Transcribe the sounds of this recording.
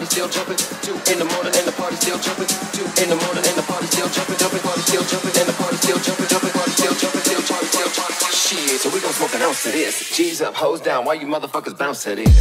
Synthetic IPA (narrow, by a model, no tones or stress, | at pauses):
ɾistɪlˠt͡ʃʰʌ̃pɪ̃ŋtʰuɪ̃nðəmɔɹnɪ̃ŋɨ̃nðəpʰɑɹɾistɪlˠt͡ʃʰʌpɪ̃ntʰuɪ̃nðəmɔɹnɪ̃ŋɨ̃nðəpʰɑɹɾistɪlˠt͡ʃʰʌ̃pɪ̃d͡ʒʰʌ̃pɪ̃pʰɑɹɾistɪlˠt͡ʃʰʌ̃pɪ̃ŋɨ̃nðəpʰɑɹɾistɪlˠt͡ʃʰʌ̃pɪ̃t͡ʃʌ̃pɪ̃pʰɑɹɾistɪlˠt͡ʃʰʌpɪ̃nstɪlˠt͡ʃʰɑɹɾistɪlˠt͡ʃʰɑʃisoʊwiɡõʊsmʊθɨ̃nãʊ̃sɨɾɪz̥izʌhoʊlˠzdãʊ̃nwaɪjə˞mʌðə˞fʌkɨzbãʊ̃nsɛɾɪ̰z